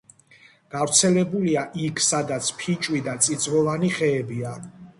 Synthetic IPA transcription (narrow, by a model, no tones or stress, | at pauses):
ɡ̥avɾt̪sʰɛlɛbuliaʔikʰsad̪at̪sʰpʰit͡ʃʼwid̪at̪sʼid̪zvɔvaniχɛːbia